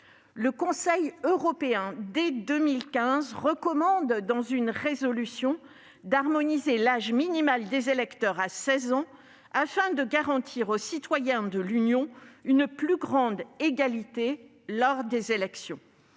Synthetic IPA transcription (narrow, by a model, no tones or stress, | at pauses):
ləkɔ̃sɛjøʁɔpeɛ̃d̪ed̪ømilkʲɛ̃zʁəkɔmɑ̃d̪ːɑ̃zynʁezɔlysjɔ̃ | d̪aʁmɔnizelaʒminimald̪ezelɛkt̪œʁasɛzɑ̃ | afɛ̃d̪əɡaʁɑ̃t̪ʰiʁosit̪wajɛ̃d̪əlynjɔ̃ynplyɡʁɑ̃d̪eɡalit̪e | lɔʁd̪ezelɛksjɔ̃